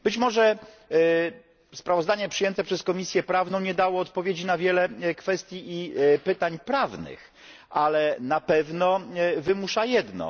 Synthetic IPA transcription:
b̥ɘt͡ɕmɔʐɛ | spɾavɔzd̪aɲɛpʂɨjɛnt̪ɛpʂɛskɔmʲisʲjɛpɾavnɔ̃w̃ɲɛd̪awɔːt̪pɔvʲjed͡ʑinavʲjɛlɛkfɛst̪ʲjiʔipɘt̪aɲpɾavnɘ̰x | ʔalɛnapɛvnɔvɘmuʂajɛd̪nɔ̰

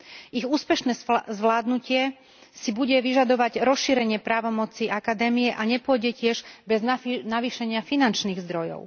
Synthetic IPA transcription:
iɣuːspɛʃnɛːzʋlaːd̪nucɪɛ | sibuɟɛʋiʒad̪ɔʋaɟɾɔsʃiɾɛɲɪɛpɾaːʋɔmɔt͡siakad̪ɛːmijɛʔaɲɛpʊɔɟɛcɪɛʒbɛznaʋiːʃɛɲɪafinant͡ʃniːɣzd̪ɾɔjɔ̰ʊ

